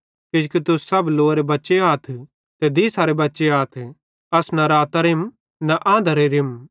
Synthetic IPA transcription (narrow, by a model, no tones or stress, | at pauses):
kɪd͡ʒkit̪ʊsɐbloːɾebɐtːʃeaːt̪ʰ | t̪ed̪isaːɾebɐtːʃeaːt̪ʰɛ | ɐsnɐɾaːt̪ɐɾɪm | nɐʔãːnd̪ɐɾeɾɪm